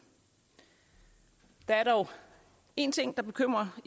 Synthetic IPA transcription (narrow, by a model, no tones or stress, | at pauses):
d̥ɑæɐɾ̥ɒʊ | e̝nt͡sʰe̝ŋ̰d̥ɑ̈b̥e̝kʰøm̰ʁɐ